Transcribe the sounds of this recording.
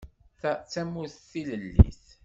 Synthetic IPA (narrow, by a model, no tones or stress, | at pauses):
θæt͡sːæmuθθiləlːḭθ